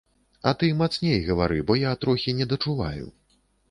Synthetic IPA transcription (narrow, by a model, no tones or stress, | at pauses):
ɐt̪ɨmat̪snʲejɣɐvaɾɨbɔjat̪ɾɔxʲinʲɛd̪ɐt͡ʂuva̰jṵ